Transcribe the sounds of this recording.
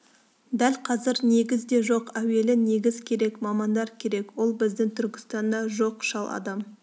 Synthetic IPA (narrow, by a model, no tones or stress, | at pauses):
d̪ælqʰɑzɪɾne̞ɡʲɪzd̪e̞ʒo̞qæwe̞lɪne̞ɡʲɪzkʲʰe̞ɾe̞kmɑmɑnd̪ɑɾkʲʰe̞ɾe̞kwo̞lˠbɪzd̪ɪŋt̪ʰʏɾkʲɪ̥st̪ɑnd̪ɑʒo̞qʃɑlˠʔɑ̰d̪ɑm